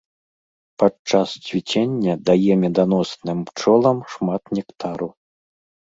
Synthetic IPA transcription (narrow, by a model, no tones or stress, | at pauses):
pat͡ʂːast͡sʲvʲit͡sʲenʲːɐd̪ajɛmʲɛd̪anɔsnɨmpt͡ʂɔlˠɐmʂmat̪nʲɛkt̪ʰaɾu